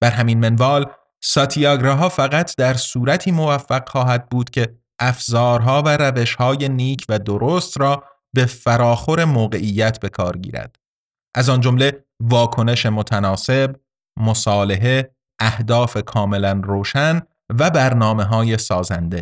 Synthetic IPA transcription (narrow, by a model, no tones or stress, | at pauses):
b̥æɾɦæminmenvɒːl | sɒt̪ʰiɒɡɾɑɦɒːfæɣæt̪ʰd̪æɾsuːɾæt̪ʰiːmo̞væfːæɡ̥χɒːɦæd̪̚buːd̪̥cʲʰe̞ | ʔæfzɒːɾɦɒːvæɾæve̞ʃhɒːje̞niːcʰvæd̪oɾoːst̪ɾɒː | be̞fæɾɒːxo̞ɾe̞moːɣe̞ʔiːjːæt̪ʰbe̞kʰɒːɾɟḭːɾæ̰d̪̥ | ʔæzɒnd͡ʒomle̞ | vɒːkʰo̞ne̞ʃe̞mot̪ʰænɒːse̞b | mo̞sɒːle̞ɦe̞ | ʔæhd̪ɒːfe̞kʰɒːme̞lænroːʃæn | væbæɾnɒːme̞ɦɒːje̞sɒːzænd̪e̞